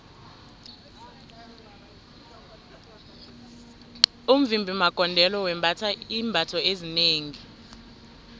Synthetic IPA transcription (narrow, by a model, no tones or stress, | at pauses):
um̩vimbʱimaɡ̥ʼʱɔndʱɛlɔwɛmbʱatʰaiːmbʱatʰɔezineːŋi